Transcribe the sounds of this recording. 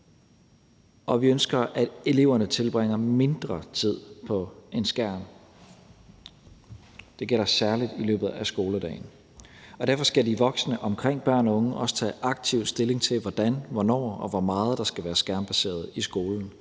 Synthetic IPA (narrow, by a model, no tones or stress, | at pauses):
ʔɒ̽ʋiønsɡ̥ɐʔæd̥e̝le̝ʊɐnət͡sʰe̝lb̥ʁeŋ̰ɐme̝nd̥ʁɐt͡sʰið̰ˠpʰɒ̽e̝nsɡ̥æɐ̰n | d̥e̝ɡ̥el̰ɐsæɐlid̥ilø̰ːb̥ð̞̩ˠæsɡ̥o̝ːlədɛ̰ːɪn | ɒ̽d̥æɐfɒ̽sɡ̥ædiʋɒ̽ɡ̥snəʔɒ̽mkʰʁeŋ̰b̥ɶɐ̰nɒ̽ɔ̽ŋəʔɒ̽sə̥t͡sʰɛ̰ːʔɑ̈ɡ̥̚t͡sʰiʊ̰sd̥e̝le̝ŋt͡sʰe̝lʋɒd̥ænʋɒnɒ̰ːɒ̽ʋɒmɑ̈ːð̞̩ˠd̥ɑ̈sɡ̥æʋæːɐsɡ̥æɐnb̥æse̝̰ːɐð̞ˠisɡ̥o̝ːln̩